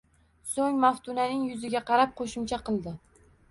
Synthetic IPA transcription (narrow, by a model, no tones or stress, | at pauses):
soŋmaft̪ʰʊnanɪŋjʊzɪɡʲaqʰɑɾap̚qʰoʃʊmt͡ʃʰaqʰɨlˠd̪ɪ